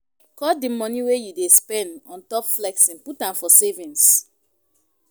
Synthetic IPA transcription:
kɔdimɔ̃niwejudespɛ̃ndɔ̃ntɔpflɛksĩnputãmfɔsevĩns

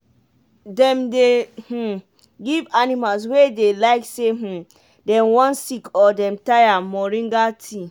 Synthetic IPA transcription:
dɛ̃mdeh̩ | ɡivanimals̬wedelaɪkseɦ̩ | dɛ̃mwɔ̃nsikʰɔdɛ̃mtajamɔɹĩŋɡatʰi

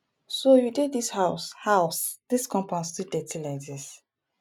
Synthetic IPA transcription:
sojudedishaʊshaʊsd̥iskɔ̃mpãnstidɛtilaɪdis

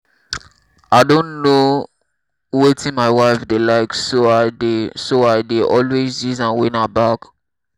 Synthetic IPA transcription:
aɪdõnno | wetĩnmaɪwaɪfdelaɪksoadesoaɪdeʔɔlwezjizãnwĩnabak

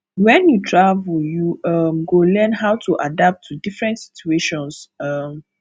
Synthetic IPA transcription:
wɛ̃njutʰɹavuljuʌmɡolɛnɦaʊtʰuʔadap̚tʰːudifɹɛ̃ntsi̥tueʃɔ̃nsʌm

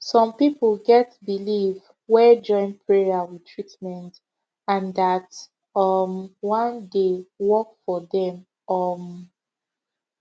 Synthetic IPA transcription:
sɔ̃mpipəlɡɛtbiliv | wɛd͡ʒɔ̃ɪ̃npʰɹɛaɹitʰɹitmɛ̃nt | ãndat | ʌmwɔ̃ndewɔkfɔðɛ̃m | ʌm

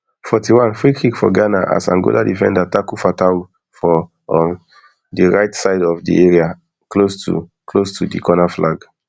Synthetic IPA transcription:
fɔtiwãnfɹikikfɔ̰ɡanaʔa̰sã̰ŋɡo̰ladifɛ̰̃ndatakufatau | fɔ | ɔ̃n | diɹaɪtsaɪdɔfdḭɛɹia | klostṵklostʰudikɔnaflaɡ

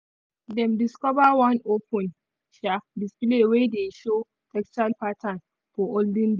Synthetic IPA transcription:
dɛ̃mdiskɔvawãnopʰɔ̃n | ʃadisplewedeʃo | tʰɛkst͡ʃalpatʰãn | fɔʔoldĩnd

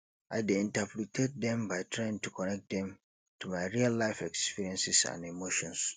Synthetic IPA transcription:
ʔaɪdeĩntapʰɾitʰɛd̚dɛ̃mbaɪtʰɹɛ̃ntʰukʰɔnɛk̚t̚dɛ̃m | tʰumaɪɹialːaɪfɛkspiɹiɛ̃nsisã̰nemoʃɔ̃ns

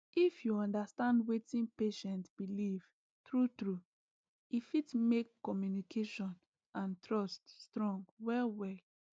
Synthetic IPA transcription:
ifjuɔ̃ndastãndwetĩnpeʃɛ̃ntb̥iliv̥ | tɹutɹu | ifitmekːɔmjunikʰeʃɔ̃n | ãntɹɔststɹɔ̃ŋɡwɛlwɛl

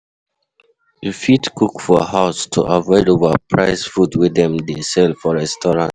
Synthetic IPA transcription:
ufitkukfɔhaʊstʰṵʔavɔɪdovapʰɹaɪsfudwidɛ̃mdesɛlfɔɹɛstɔɹãnt

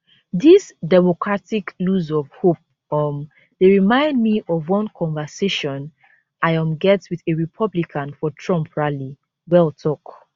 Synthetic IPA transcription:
ðisdɛmokɹatikluzɔv̥hop̚ | ɔm | deɹimãɪ̃ndmiʔɔvwɔ̃nkʰɔ̃nvəseʃɔ̃n | ʔaɪɔ̃mɡɛtwiðeɹipʰʌblikʰãnfɔtʰɹɔ̃mpʰɹali | wɛlˠtʰɔk

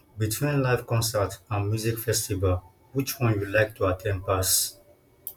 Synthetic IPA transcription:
bitʰwĩnlaɪfkɔ̃nsətə̃nmjuzikfɛstivəl | wit͡ʃpɔ̃ɪ̃njudlaɪk̚tʰuatʰɛ̃nd̚pas

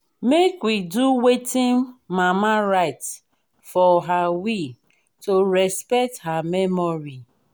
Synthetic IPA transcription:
mekwiduwetĩnmamaɾaɪt | fɔɦawi | toɾɛspɛk̚thamɛmɔɾi

